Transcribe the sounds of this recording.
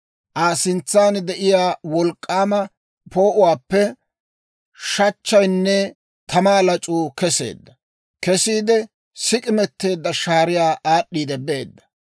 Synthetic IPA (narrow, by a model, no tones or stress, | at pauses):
ʔaːsɪnt͡sːaːnd̪ɛʔɪjaːwɔlkʼːaːmɐ | po̞ːʔʊwaːpːɛ | ʃɐt͡ʃːɐjnːɛ | t̪ʰɐmaːlɐt͡ʃʼuːkɛse̞̰ːd̪ːɐ | kɛsiːd̪ɛ | sɪkʼɪmɛt̪ːe̞ːd̪ːɐʃaːɾɪjaːʔaːɗːiːd̪ɛbe̞ːd̪ːɐ̥